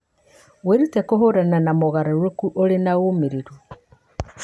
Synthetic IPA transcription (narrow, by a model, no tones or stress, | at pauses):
weɾutɛkoɦoɾananamoɣaɾaɾwokuʔoɾenaomiɾiɾu